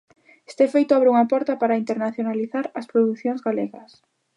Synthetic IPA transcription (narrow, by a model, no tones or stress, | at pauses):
e̥st̪ɛfejt̪ʊaβɾeuŋɐpɔɾt̪ɐpaɾaint̪eɾnaθjonaliθaɾɐspɾoðuθjoŋzɣaleɣɐs